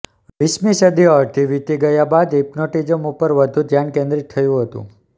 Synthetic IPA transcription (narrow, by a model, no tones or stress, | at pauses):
ʋismisəd̪iɔɾt̪iʋit̪iɡəjabad̪ipnoʈid͡ʒəmupəɾʋəd̪ʱũd̪ʱjankẽnd̪ɾit̪ʰːəjũɦət̪ṵ̃